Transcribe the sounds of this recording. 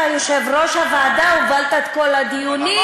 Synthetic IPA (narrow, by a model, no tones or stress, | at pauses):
ajoʃevʁoʃavaːd̪aubalt̪at̪kolad̪ijuni